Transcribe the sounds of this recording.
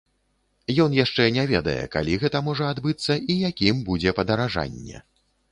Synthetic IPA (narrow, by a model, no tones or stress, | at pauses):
jɔnjaʂt͡ʂɛnʲɛvʲɛd̪ɐ̰jɛ̰ka̰lʲiɣɛt̪ɐmɔʐɐad̪bɨt̪sːɐʔijakʲimbud͡zʲɛpɐd̪ɐɾaʐa̰nʲːɛ̰